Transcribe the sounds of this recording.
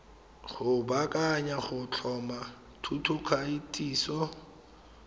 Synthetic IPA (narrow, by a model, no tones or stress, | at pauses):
χʊbakʼaɲaχʊt͡ɬʰɔma | tʰutʰʊkʰaitʼiːsɔ